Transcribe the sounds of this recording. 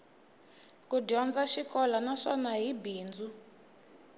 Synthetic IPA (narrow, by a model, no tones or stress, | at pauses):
kuɟɔnd͡zaʃikɔlanaʂɔnaɦibiːnd͡zu